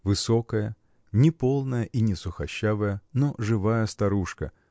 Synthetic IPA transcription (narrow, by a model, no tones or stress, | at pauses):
vɨso̞kəjə | nʲɪpo̞lˠnəjəʔinʲɪsʊxɐɕːavəjənoʐɨvajəst̪ɐɾuʂkə̰